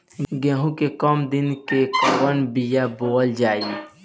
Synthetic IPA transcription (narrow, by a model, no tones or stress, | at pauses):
ɡɛːɦũkekɔːmd̪ɪnkewənbijaboːld͡ʒaːi